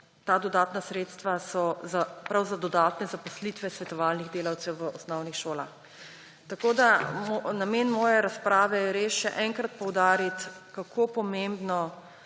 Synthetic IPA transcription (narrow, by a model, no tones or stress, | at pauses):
t̪aːd̪ɔd̪aːt̪nasɾeːt̪st̪ʋasɔzapɾawzad̪ɔd̪aːt̪nɛzapɔslit̪ʋɛsʋɛt̪ɔʋaːlniɣd̪eːlawt̪sɛwʋəɔsnɔwnixʃoːlax | t̪akoːd̪amnameːnmɔːjɛɾaspɾaːʋɛjɛɾeːʃʃɛʔɛŋkɾat̪̚pɔwd̪aːɾit̪kakʰopɔmembnɔ